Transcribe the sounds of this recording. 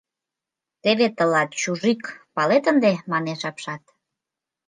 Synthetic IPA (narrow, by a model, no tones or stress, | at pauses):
t̪eβet̪əlɑt̪̚t͡ɕuʒikpɑlet̪ənd̪emɑneʃɑpʃɑt̪